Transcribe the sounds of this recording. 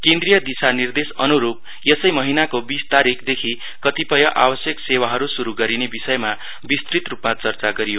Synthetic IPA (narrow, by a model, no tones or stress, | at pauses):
kẽnd̪rijʌd̪isanird̪esʌnuɾup̚ | jʌsʌjmʌɦinakobist̪aɾikʰd̪ekʰi | kʌt̪ipʌjʌʔa̰bʌsjʌksewaɦʌɾusuɾuɡʌɾinebisʌjma | bist̪rit̪rupmat͡sʌrt͡saɡʌɾijo